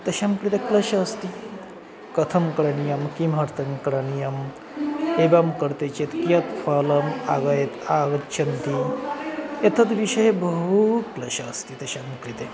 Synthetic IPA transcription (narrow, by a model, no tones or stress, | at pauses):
t̪ɐɕamkɾit̪eklɐɕaəst̪i | kɐt̪ʰɐmkɾɐnijɐmkimɦɐɾt̪ɐŋkɾanijɐm | ebamkəɾt̪et͡ɕet̪kjat̪falɐmaɡajt̪aɡɐt̪̚t͡ɕʰɐnt̪i | et̪ʰɐt̪ʋiʂɐjebəɦut̪klɐɕaːst̪it̪ɐɕamkɾit̪e